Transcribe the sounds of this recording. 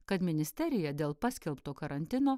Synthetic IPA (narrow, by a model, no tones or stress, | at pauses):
kɐt̪mʲɪnʲɪsʲt̪ʲɛɾʲɪjɛd̪ʲeːlˠpɑːsʲkʲɛlˠpt̪oːkɐɾɐnʲt̪ʲɪnoː